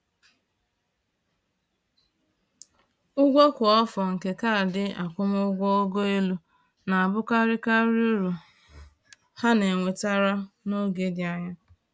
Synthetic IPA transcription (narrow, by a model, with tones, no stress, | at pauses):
ʊ˦ɡʷo˦kʷʊ˨ɔ˦fɔ˨ŋ̩˨ke˨ka˦a˨dɪ˦a˨kʷʊ˦mʊ˦ɡʷɔ˦o˦ɡo˦e˦lu˦ | na˨a˨bʊ˦ka˦ɾɪ˦ka˦ɾu˦ɾu˨ | ha˦ne˨ŋʷe˨ta˦ɾa˦no˦ɡe˦dɪ˨a˦ɲa˦